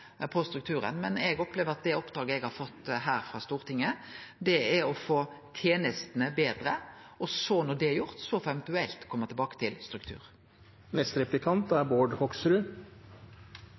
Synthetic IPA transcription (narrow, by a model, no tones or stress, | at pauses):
pʰɔst̪ɾʉk̚t̪ʰʉːɾə̰nmɛnɛɡɔpleːʋəɾɑt̪̚d̪ɛɔpd̪ɾɑːɡəɛɡhɑɾfɔt̪ːɦæːɾfɾɑst̪uːʁt̪ʰɪŋːəd̪ɛæɾɔfoːt̪ʰjeːnəst̪ənəbeːd̪ɾə | ɔsɔnɔɖ̪ɛjʊʁt̪sɔfɛʋɛnt̪ʉɛlt̪kʰɔmːəʁt̪ʰɪlbɑːkə̥t̪ʰɪlst̪ɾʉk̚t̪ʰʉ̰ːɾ | mɛst̪ɾɛplɪkʰɑnt̪æɾboːɖhɔksɾʉ